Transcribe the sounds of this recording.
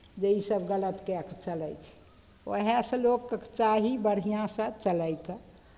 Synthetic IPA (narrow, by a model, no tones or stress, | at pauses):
d͡ʒeisəbɡələt̪kekt͡ʃələjt͡ʃʰi̥ | ʋə̰ɦesə̃loɡkət͡ʃaɦibəɽ̤ijãsə̃t͡ʃələjkə